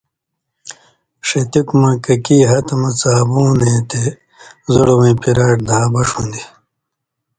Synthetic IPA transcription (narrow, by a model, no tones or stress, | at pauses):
ʂet̪ikumɐ̃kɐkiːɦɐt̪ɐmɐt͡saːbuːnẽːt̪e | zoɽɐwĩpiɾaːʈ̚d̪aːbɐʂũnd̪i